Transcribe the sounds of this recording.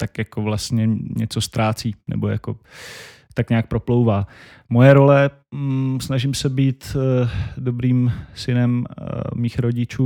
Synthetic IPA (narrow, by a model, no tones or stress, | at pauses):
t̪akjakovlast̪ɲɛɲɛt͡so̞st̪ɾaːt͡siːnɛ̰bo̞ja̰ko̞ | t̪akɲaak̚pɾo̞plowvaː | mo̞jɛɾo̞lɛ | snaʒɪmsɛbiːt̪ | dobɾiːmsɪnɛmmiːxɾo̞ɟɪt͡ʃuː